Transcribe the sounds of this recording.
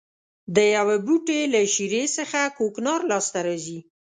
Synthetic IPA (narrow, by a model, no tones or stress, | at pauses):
d̪əjawebuʈelaʃiɾesəxakoknɑɾlɑst̪aɾɑzi